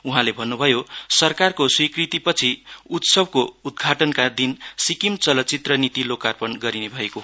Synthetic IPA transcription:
uɦãlebʱʌnːubʱʌjosʌrkarkoswikrit̪ipʌt͡sʰiut̪sʌbkoud̪̚ɡʱaʈʌnkad̪insikimt͡sʌlʌt͡sit̪rʌnit̪ilokarpʌnɡʌɾinebʱʌeko

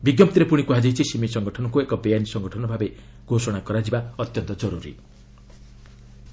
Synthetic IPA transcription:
biɡjʌmt̪iɾepuɽ̃ikuɦad͡zejt͡sʰisimisʌŋɡʱʌʈʰʌnkoekʌbejanisʌŋɡʱʌʈʰʌnbʱabe | ɡ̥ʱosʌɽ̃akʌɾad͡zibaʌt̪jʌnt̪ʌd͡zʌɾuɾḭ

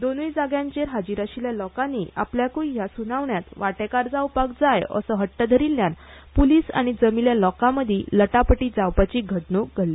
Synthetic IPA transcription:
d̪onujd͡zaɡjãɲt͡ɕeɾɦad͡ʑiɾaɕiljalɔkãnːiːa̰pljakujjasunaʋɳjat̪ʋaʈekaɾd͡zawpak̚d͡zajə̰səɦəʈːəd̪ʱəɾilːjãn | puliːsa̰ɽ̃id͡zəmiljalɔkãməd̪ʱiləʈapəʈiːd͡zawpat͡ɕiɡʱəɽɳuɡʱəɽli

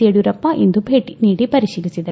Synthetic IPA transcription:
ieɽjuɾɐpːɐʔind̪ubʱeːʈːiniːɽipɐɾiɕiːlit͡ɕːid̪ɐ

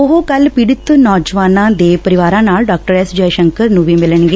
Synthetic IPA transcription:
ʊɦoːkəlpɪɽɪt̪nɔːd͡ʒʋaːnãːd̪eːpəɾɪʋaːɾãːnaːlɖɔːk̚ʈəɾɛːsd͡ʒɛːjʃəŋkəɾnũːʋiːmɪləɳɡeː

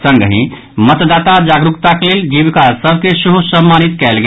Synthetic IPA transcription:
səŋɡɦḭ̃ | mət̪d̪at̪ad͡ʒaɡɾukt̪akeleld͡ʒiʋkasəbʱkesuɦusəmːanit̪kɛlɡ

